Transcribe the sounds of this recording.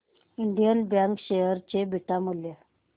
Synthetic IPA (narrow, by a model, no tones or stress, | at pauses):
iɳɖijənbjaŋkɕejəɾt͡ɕebʱiʈamulje